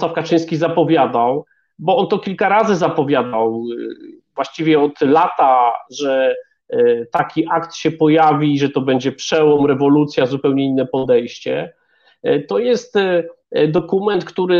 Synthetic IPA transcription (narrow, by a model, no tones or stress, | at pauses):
swafkat͡ʂɘ̃j̃skʲizapɔvʲjad̪aw | bɔɔnt̪ɔkʲilkaɾazɘzapɔvʲjad̪aw | vwaɕt͡ɕivʲjɛɔt̪lat̪aʐɛ | t̪akʲiʔakt̪ɕɛpɔjavʲiʐɛt̪ɔbɛɲd͡ʑɛpʂɛwɔmɾɛvɔlut̪sʲjazupɛwɲɛinːɛpɔd̪ɛjɕt͡ɕɛ̰ | t̪ɔjɛst̪ | d̪ɔkumɛnt̪kt̪uɾɘ